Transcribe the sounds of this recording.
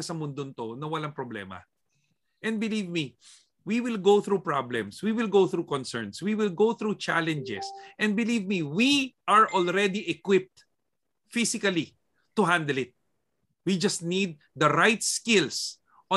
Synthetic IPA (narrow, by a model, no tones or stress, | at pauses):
ɐsɐmʊnd̪ont̪onɐwɐlɐŋpɹoblɛ̰mɐ̰ | ʔɛ̃nd̪̚bɪlivmi | wiwɪlɡoθɾupɹablɛ̰̃mswiwɪlɡowθɾukɔ̃nsɛ̰ɹnswiwɪlɡowθɹut͡ʃalɛ̃nd͡ʒɛ̰sʔɛ̃nd̪̚bɪlivmiwiʔɐɹʔolɹɛd̪iʔɛkwɪp̚t̪ | fisɪkɐli | t̪ːʊɦãnd̪ɛlɪt̪̚ | wid͡ʒɐst̪nid̪̚ːɐɾajt̪skɪls | ʔɔ̃